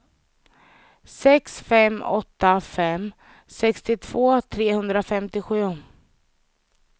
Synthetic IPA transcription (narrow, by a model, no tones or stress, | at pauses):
sɛksfɛmːɔ̰t̪ːafɛm | sɛkst̪ɪt̪ʰv̥oːt̪ʰɾeːhɵnd̪ɾafɛmt̪ɪɧʉ̟ː